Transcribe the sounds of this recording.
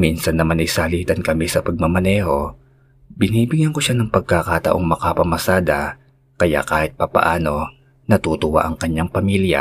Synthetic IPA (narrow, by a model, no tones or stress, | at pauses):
minsɐnːɐmanʔɐjsɐhɐliːt̪ɐnkɐmisɐpɐɡ̚mɐmɐnɛːho̞ | bɪniːbɪɡjɐnko̞ʃanɐŋpɐɡ̚kakat̪ɐ̰ʔo̞ŋmɐkapɐmɐsaːd̪ɐ | kɐja̰ʔkaːhɪt̪̚pɐpɐ̰ʔaːno̞ | nɐt̪uːt̪ʊwa̰ʔɐŋkɐɲːaŋpɐmiːlja̰